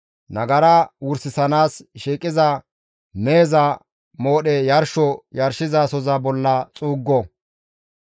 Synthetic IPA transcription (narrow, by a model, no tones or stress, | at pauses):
nɐɡɐɾɐwʊɾsɪsɐnaːsʃiːkʼːɪzɐ | meːzɐ | moːɗɛjɐɾʃɔjɐɾʃɪzasɔzɐbɔlːɐt͡sʼuːɡːɔ